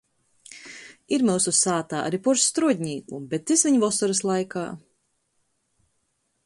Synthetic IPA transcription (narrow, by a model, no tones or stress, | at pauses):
iɾmɛwsusaːt̪aːʔa̰ɾipuɾsːt̪ɾuɔd̪ʲɲiːumbɛt̪ːisviɲuvɔsɔɾɨslˠajka̰ː